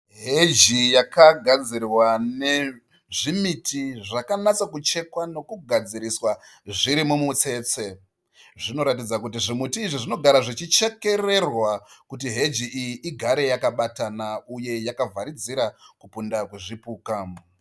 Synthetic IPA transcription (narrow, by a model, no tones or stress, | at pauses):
ɦed͡ʒijakaɡʱad͡zirwane̞ | ʐimitʰiʐakanat͡sakut͡ʃe̞kwano̞kuɡʱad͡ziɾiswaʐiɾimumut͡se̞ːt͡se̞ | ʐino̞ɾatid͡zakutiʐimutiːʐiʐino̞ɡʱaɾaʐit͡ʃit͡ʃe̞ke̞re̞rwakutiɦe̞d͡ʒiʔijiʔiɡʱaɾe̞jakaɓatanauje̞jakavʱaɾid͡ziɾakupundakweʐipuːkaːm